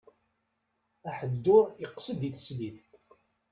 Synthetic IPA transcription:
æħəd̪ːʊɾiqːsəd̪iθə̥sliθ

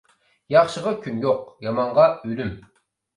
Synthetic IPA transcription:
jɑχʃəʁɑkʲʰynjoq̚jɑmɑɴʁɑølym

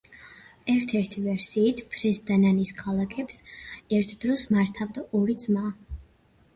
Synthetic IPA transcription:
ɛɾt̪ʰɛɾt̪ʰivɛɾsiːt̪ʰpʰɾɛsd̪ananiskʰalˠakʰɛpsɛɾt̪ʰd̪ɾɔsmaɾt̪ʰavd̪aʔɔɾid̪zmaː

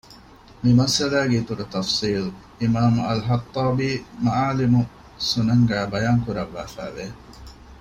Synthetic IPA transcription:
mimɐsɐlæːɡeit̪uɾut̪ɐfsiːlʔimaːmuɐlɦɐt̪ˤːɑːbiːmɐʔaːlimu | sunɐŋɡæːbɐjaːŋkuɾɐʋːæːfæ̰ːʋe

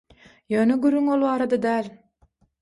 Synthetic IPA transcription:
jøːnøɡyɾːyŋo̞lˠβɑːɾɑd̪ɑd̪æːlʲ

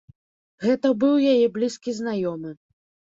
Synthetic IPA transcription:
ɣɛt̪ɐbɨwjajɛblʲiskʲiznajɔmɨ

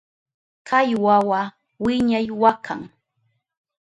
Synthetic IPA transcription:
kʰajwawa | wɪɲajwakʰa̰ŋ

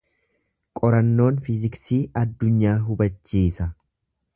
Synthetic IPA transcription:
kʼɔɾɐnːo̞ːnfɪzɪksiːʔɐd̪ːʊɲːaːɦʊbɐt͡ʃːiːsɐ

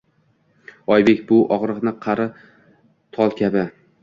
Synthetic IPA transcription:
ɒjbe̞kʲbʊʔɒʁɾɨqnɪqʰɑɾɪ | t̪ʰɒlˠkʲʰabɪ

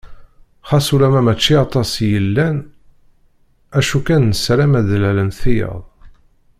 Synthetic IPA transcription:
χɑsuɾæmæmæt͡ʃːiɑt̪ˤɑsjəlːæn | æʃukænːəsɾæmæðlælənθijə̰ðˤ

